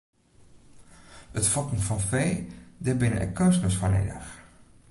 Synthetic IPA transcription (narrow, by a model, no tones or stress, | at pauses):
ətfɔkən̩fɔnfeːdɛbɪnə̰ʔɛ̰kønsənəsfɔnḛdax